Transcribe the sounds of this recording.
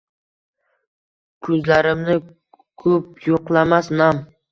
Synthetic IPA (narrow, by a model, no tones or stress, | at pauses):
kʰɵzlaɾɪmnɪ | kʰɵp̚joqlˠamasnam